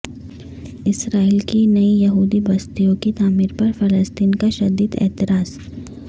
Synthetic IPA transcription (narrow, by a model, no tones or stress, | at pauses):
ɪsɾaːiːlkinɐijɐɦuːd̪ibɐst̪ijõkit̪aːmiːɾpɐɾfɐləst̪iːnkaʃɐd̪iːd̪ɛ̰ːt̪ɪɾaːz̥